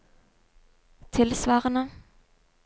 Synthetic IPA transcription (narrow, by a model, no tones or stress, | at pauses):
t̪ʰɪlsʋɑːʁənə